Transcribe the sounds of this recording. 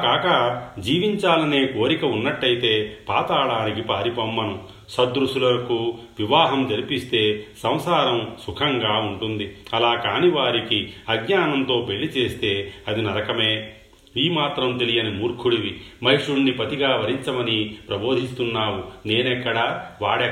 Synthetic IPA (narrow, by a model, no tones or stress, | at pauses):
kaːkɐd͡ʒiːʋiɲt͡ʃaːlɐne̞ːko̞ːɾikɐunːɐʈːɐjit̪e̞ːpaːt̪aːɽaːnikipaːɾipɐmːɐnu | sɐd̪ɾuʂulɐɾɐku | ʋiʋaːɦɐmd͡ʒ̪ɐɾipist̪e̞ːsɐ̃m̃saːɾɐmsukʰɐŋɡaːuɳʈund̪iɐlaːkaːniʋaːɾikiɐɡɲaːnɐnt̪o̞ːbe̞ɭːit͡ʃe̞ːst̪e̞ːɐd̪inɐɾɐkɐmeː | iːmaːt̪ɾɐmt̪e̞lijɐnimuːɾkʰuɽiʋimɐɦiʂuɽnipɐt̪iɡaːʋɐɾiɲt͡ʃɐmɐnipɾɐbo̞ːd̪ʱist̪unːaːwune̞ːnɛkːɐɽɐʋaːɽɛ